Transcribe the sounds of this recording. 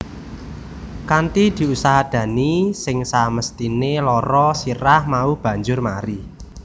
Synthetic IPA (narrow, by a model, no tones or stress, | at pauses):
kant̪id̪̥i̤usaɦad̪̥ä̤nisɪŋsaməst̪inelɔɾɔsiɾahmaub̥ä̤ɲd͡ʒʊrmaɾi